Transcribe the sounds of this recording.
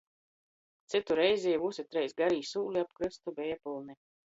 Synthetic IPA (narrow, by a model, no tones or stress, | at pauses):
t̪sɨt̪uɾɛjzʲiːvusʲit̪ɾɛjsɡaɾiːsuːlʲiapkɾɨst̪ubɛjapulˠni